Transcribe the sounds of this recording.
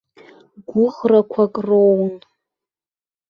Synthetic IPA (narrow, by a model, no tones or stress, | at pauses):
ɡʷʊʁrakʷʰakʼrown